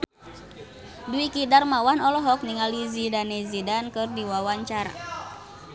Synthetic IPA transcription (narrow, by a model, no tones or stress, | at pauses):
duikidarmawanɔlɔɦɔk̚niŋalizidanɛzidankɨrdiwawaɲt͡ʃaɾa̰